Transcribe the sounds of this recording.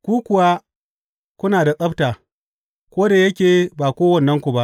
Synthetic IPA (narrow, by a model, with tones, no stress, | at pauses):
kʷuː˦kʷʊ˨wa˦ | kʷʊ˦naː˨da˨sʼɐ˦btaː˨ | kʷoː˦da˨jɐ˦kʲeː˨baː˨kʷoː˦wɐ˨nːɐ˦ŋkʷu˨ba˦ʔ